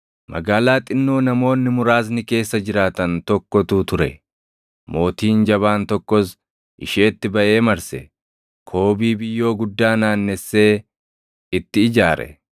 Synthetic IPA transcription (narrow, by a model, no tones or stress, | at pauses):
mɐ̰ɡaːlaːt̪ʼɪnːoːnɐmo̞ːnːɪmʊɾaːs̬nɪke̞ːsːɐd͡ʒɪɾaːt̪ɐnt̪ɔkːɔt̪uːt̪ʊɾɛ | mo̞ːt̪iːnd͡ʒɐβaːnt̪ɔkːɔs | ʔɪʃeːt̪ːɪbɐʔe̞ːmɐɾsɛ̰ | kʰo̞ːbiːbɪjːo̞ːɡʊd̪ːaːnaːnːɛsːe̞ː | ɪt̪ːɪːd͡ʒaːɾɛ̰